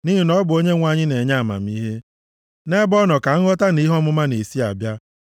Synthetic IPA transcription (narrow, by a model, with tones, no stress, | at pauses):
ni˦ɦi˨nɔ˦bʊ˨o˦ɲe˦ŋʷa˨ɲɪ˦ne˨ɲa˦˨ma̰˨m̩˦i˦ɦe˦ | ne˦bɔ˦nɔ˨ka˨ŋ̩˦ɣɔ˦ta˦ni˦ɦɔ˦mʊ˦ma˦ne˨si˦a˨bja˦